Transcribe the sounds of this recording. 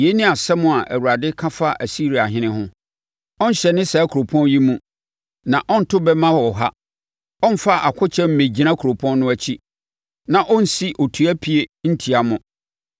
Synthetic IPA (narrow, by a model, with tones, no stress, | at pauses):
je˨˦nɪ̃˦a˨sɛ˦mʊ̃˦˨a˨ʔæ̰˨wu˨ɾa˨dɪ˦kʰã˦fa˦ʔæ˨si˦ɾi˨a˨ɦɪ̃˦nɪ̃˦ɦʊ̃˦ | ɔ̃˦n̩˦ɕɛ˨nɪ̃˦sa˨˦kʰu˨ɾo˨pʰɔ̃˦n˦ji˦mũ˦ | nã˨ʔɔ̃˦n̩˨tʰʊ˦bɛ˦mã˦hɔ˨ɦa˦ | ɔ̃˦n̩˦fa˦ʔa˨kʷʰʊ˦t͡ɕʰɛ˦m̩˦mẽ˨d͡ʑi˨nã˦kʰɾo˨pʰɔ̃˦nːʊ̃˦æ˦t͡ɕʰi˦ | nã˨ʔɔ̃˦n̩˨si˦ʔo˨tʰu˨æ˦pʰi˨e˨n̩˦tʰi˨a˨mʊ̃˨